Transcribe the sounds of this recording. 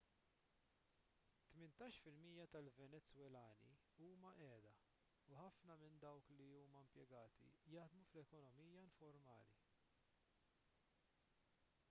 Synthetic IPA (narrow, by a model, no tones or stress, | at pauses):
t̪mɪnt̪ɐːʃfɪlmiːjɐt̪ɐlvɛnɛt͡sːwɛlɐːnḭ | uːmɐʔɛːd̪ɐ | uħɐfnɐmɪnd̪ɐwkliuːmɐɪmpjɛɡɐːt̪ḭjɐħd̪muflɛkɔnɔmiːjɐɪɱfɔɾmɐ̰ːlḭ